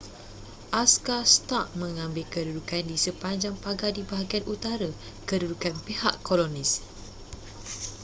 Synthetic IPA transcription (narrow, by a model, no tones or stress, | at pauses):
ʔaskast̪aʔ̚mə̃ŋãmbɪlkədudukandisəpaɲd͡ʒaŋpaɡadibaɦaɡianʔut̪aɾə | kədudukanpehaʔkːolonĩs